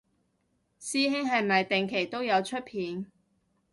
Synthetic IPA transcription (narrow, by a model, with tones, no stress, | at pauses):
siː˥ɦɪ˥ŋɦɐ˨jmɐ˨jt̪ɪ˨ŋkʰe˨˩jt̪o˥wjɐ˨˧wt͡ʃʰɵ˥t̚pʰiː˨˧n